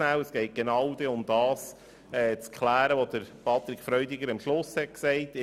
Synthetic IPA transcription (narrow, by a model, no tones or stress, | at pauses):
næwəsɡ̥ɛɪt̚ɡ̥enɑwd̥̪ɛʊmd̪ɑːs | ɛːt͡skχlæːɾəʋod̪əɾpɑt̪ɾɪkfɾœʏd̪iɡəɾɑmʃlʊshɛt̚ksɛɪt̪